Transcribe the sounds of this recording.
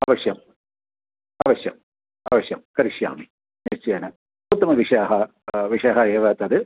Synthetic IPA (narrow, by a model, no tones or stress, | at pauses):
aːʋɐʂjɐm | aːʋɐɕjɐ̰m | a̰ːʋɐɕjɐmkɐɾiʂja̰ːmi | nest͡ɕːijaːnɨ | ut̪ːɐmɐʋiʂaːɦɐ | ʋiʂeːɦɐeːʋɐːt̪ːɐðɨ